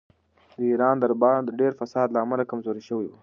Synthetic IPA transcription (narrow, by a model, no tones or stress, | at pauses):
d̪əiɾɑnd̪əɾbɑd̪əɖeɾfasɑd̪laːmalakamzoɾiʃəwiwu